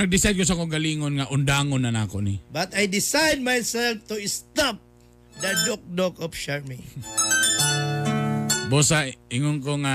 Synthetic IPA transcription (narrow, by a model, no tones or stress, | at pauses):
naɡ̚dɪsajd̚kos̬akoʊɡaliŋonŋaʔʊndaŋonanakoʔnibat̪ajdɪsajd̚majsɛlft̪uɪst̪ap̚ | d̪adɔk̚dɔɡɔpʃaɹmi | bosaiŋoŋkoŋa